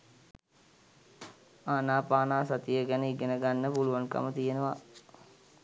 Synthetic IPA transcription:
aːnaːpaːnaːsat̪ijəɡɛnəiɡenəɡanːəpuluʋaŋkə̰mət̪ijenəʋa

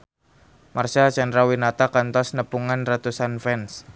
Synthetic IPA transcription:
marsat͡ʃɛndɾawinat̪akant̪ɔsnəpuŋanrat̪usanfɛns

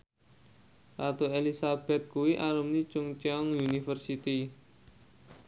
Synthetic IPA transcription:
sat̪oelisab̥ɛ̤t̪̚kuwiʔaɾumnit͡ʃʊŋt͡ʃɔŋjunifərsit̪i

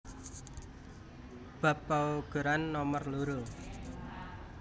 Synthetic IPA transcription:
b̥a̤pːaoɡ̥ə̤ɾanːɔmərluɾo

